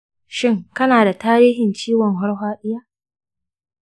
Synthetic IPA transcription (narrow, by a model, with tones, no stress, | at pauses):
ʃɪ˦˨ŋkɐ˦naː˨da˨taː˦ɾiː˦ɦɪ˨nt͡ʃiː˦wɔ˨ŋɦɔ˦ɽɦʷaː˦ɗɪ˦jaː˦